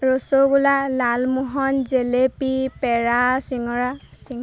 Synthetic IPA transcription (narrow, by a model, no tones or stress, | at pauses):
ɹosoɡulalalmuɦɔnzelepipɛɹasiŋɔɹasiŋ